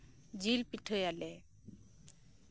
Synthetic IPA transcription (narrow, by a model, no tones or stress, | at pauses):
d͡ʒilpiʈʰojalɛ